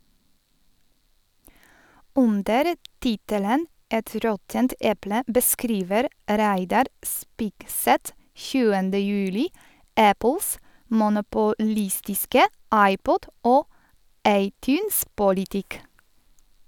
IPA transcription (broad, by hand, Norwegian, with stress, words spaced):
ˈʔʉndəɾ ˈtɪtələn ˈʔɛt ˈɾɔtənt ˈɛplə bəˈskɾiːʋəɾ ˈɾæɪdɑɾ ˈspɪɡˌsɛt ˈçʉːəndə ˈjʉːlɪ ˈʔæpəls mʊnʊpʊˈlɪstɪskə ˈʔɑɪˌpɔd ˈʔoː ˈʔɑɪˌtjʉːnspʊlɪˌtɪk